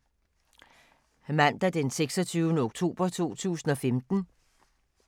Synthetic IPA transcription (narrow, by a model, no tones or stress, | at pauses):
mæn̰d̥æd̥enseɡ̥sɒ̽t͡sʰyːʊnəo̝ɡ̥̚t͡sʰo̝̰ːb̥ɐt͡sʰuo̝̰ːt͡sʰṵːsn̩ɒ̽femd̥n̩